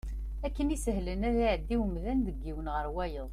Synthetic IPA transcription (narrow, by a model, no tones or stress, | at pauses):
ækːənisəɦlənæðiʕəd̪ːiwəmðænd̪əɡːiwənʁəɾwæjəðˤ